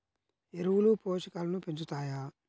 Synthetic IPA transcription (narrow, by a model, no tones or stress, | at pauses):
eɾuwulupoːʃɐkaːlɐnupeɲt͡ʃut̪aːja